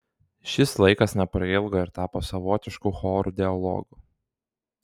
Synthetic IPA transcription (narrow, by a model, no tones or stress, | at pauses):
ʃʲɪslˠɐɪkɐsnʲɛpɾɐɪlˠɡoːɪɾt̪ɑːposɐʋɔːt̪ʲɪʃkuxɔːɾuːd̪ʲɛɐlˠɔ̰ːɡuː